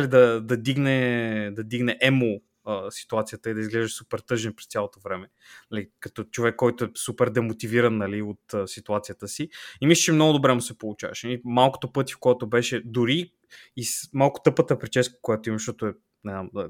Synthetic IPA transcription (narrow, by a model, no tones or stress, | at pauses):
ɐlid̪ɐd̪ɐd̪iɡnɛd̪ɐd̪iɡnɛʔɛmo | əsi̥t̪uat̪sijət̪əid̪ɐizɡlɛʒɛsupɛɾt̪ɤʒɛnɛpɾɛst̪ʲalˠot̪ovɾɛmɛ | nɐlikɐt̪ɔt͡ʃovɛkːɔjt̪oɛsupɛɾd̪ɛmot̪iviɾɐnːɐliot̪əsit̪uat̪sijət̪əsiimisli̥ʃɛmnɔɡʊd̪obɾɛmusɛpolˠut͡ʃa̰vɐ̰ʃlimalˠko̥t̪opɤt̪ʲi̥fkojat̪obɛʃɛd̪ʊɾiː | smalˠkʊ̥t̪ɤpət̪əpɾit͡ʃɛso̥kojat̪oimɐʃt̪ɔt̪oɛ | nɛzam